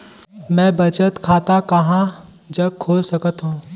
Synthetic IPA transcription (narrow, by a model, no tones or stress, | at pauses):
mɛ̃ːbɐt͡ʃət̪kʰaːt̪akɐɦã | d͡ʒəɡ̚kʰːoːlsəkət̪ɦũː